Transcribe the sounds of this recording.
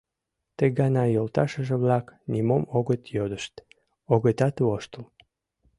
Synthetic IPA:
t̪eɡɑnɑjolt̪ɑʃəʒeβlɑknimomoɣət̪jod̪əʃt̪ | oɣət̪ɑt̪βoʃt̪əl

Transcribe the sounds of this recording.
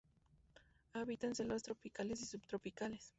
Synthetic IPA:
aβit̪anselβast̪ɾopikalesisupt̪ɾopikales

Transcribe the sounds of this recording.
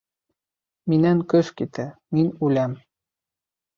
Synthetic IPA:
minænkøʃkit̪ʰɘminʲulʲæm

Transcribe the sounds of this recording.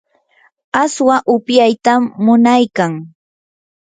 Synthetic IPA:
aswaʔʊpjajt̪amːʊnajkaŋ

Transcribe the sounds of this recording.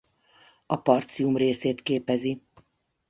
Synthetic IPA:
ɒpɒrt̪siumreːseːt̪keːpɛzi

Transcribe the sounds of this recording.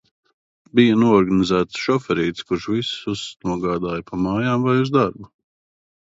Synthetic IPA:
bijanuɔɔɾɡanizæːt̪sʃɔfɛɾiːt̪skuɾʃvisusnuɔɡaːd̪aːjpʰamaːjaːmvajuzd̪aɾbu

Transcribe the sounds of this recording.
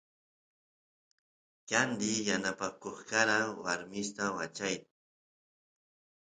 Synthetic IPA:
kand̪ɪjanapakoχkaɾawaɾmɪst̪awat͡ʃajt̪a

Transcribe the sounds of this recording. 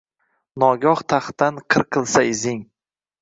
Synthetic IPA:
nɒɡɒχt̪ʰaχt̪anqʰɨɾqʰɨlˠsaɪzɪŋ

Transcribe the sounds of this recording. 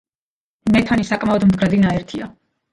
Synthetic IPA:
mɛt̪ʰanisakʼmaɔd̪md̪ɡɾad̪inaɛɾt̪ʰia

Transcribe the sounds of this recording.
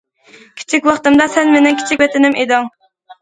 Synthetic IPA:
kʲʰi̥t͡ʃʰikʲwɑχt̪ɨmd̪ɑsɛnmenɪŋkʲi̥t͡ʃʰikʲwɛt̪ɪnɪmʔed̪ɨŋ

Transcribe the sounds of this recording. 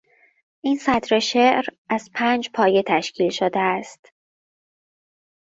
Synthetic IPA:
ʔiːnsæt̪ɾe̞ʃe̞ʔɾæz̥pʰæːnd͡ʒpʰɒːje̞t̪ʰæʃcʰiːlʃod̪eæst̪

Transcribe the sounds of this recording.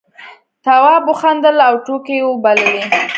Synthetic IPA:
t̪awɑbʊxand̪əlawʈokewobalewi

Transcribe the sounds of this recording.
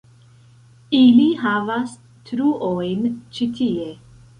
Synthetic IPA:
iliɦavas | tɾuʔojnt͡ʃitʰie̞

